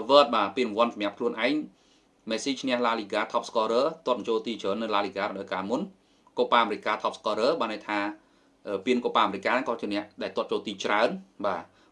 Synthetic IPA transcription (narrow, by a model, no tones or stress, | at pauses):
ʋəːt̪̚ɓaːpiənmʋŏənsɑmj̆əp̚kʰluənʔaɛŋ | mɛːsiːt͡ɕʰnɛ̆əhlaːliːɡaːt̪ʰɑp̚skɔɾəːt̪ŏət̪̚t͡ɕoːlt̪iːt͡ɕʰəːnːɨlaːliːɡaːrəɗɑɔjkaːmun | kopaːʔameɾɪc̚kːaːt̪ʰɑpskɔɾəːɓaːnːajt̪ʰaː | ʔəːpiənkoːpaːʔameɾic̚ʲkːaːnŋkɑːt͡ɕiənɛ̆əʔɗaɛlt̪ŏət̪̚t͡ɕoːlt̪iːt͡ɕraənɓaː